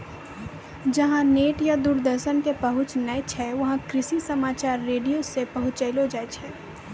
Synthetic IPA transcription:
d͡ʒɐɦãneːʈjad̪uːɾd̪əɾʃənkepɐɦʊt͡ʃnɐet͡ʃʰɛʋɐɦãkɾɪʃisɐmaːt͡ʃaːɾːeːɖijosepɐɦʊt̪t͡ʃɐɪlod͡ʒaet͡ʃʰɛː

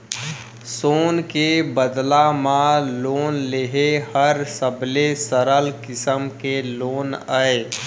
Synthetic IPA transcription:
soːnkebəd̪lamãloːnleɦehəɾsəblesəɾəlkɪsəmkeloːnəe

